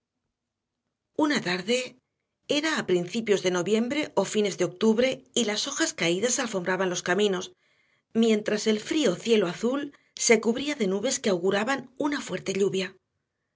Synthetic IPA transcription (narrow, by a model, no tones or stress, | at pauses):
unat̪aɾðe̞ | e̞ɾaːpɾinθipjo̞zðe̞no̞βje̞mbɾe̞ʔo̞fine̞zðe̞o̞k̚t̪uβɾe̞ilaso̞xaskaiðasalfo̞mbɾaβanlo̞skamĩno̞s | mjẽ̞nt̪ɾase̞lfɾio̞θje̞lo̞aθul | se̞kuβɾiaðe̞nuβe̞ske̞awɣuɾaβanunafwe̞ɾt̪e̞ʎuβja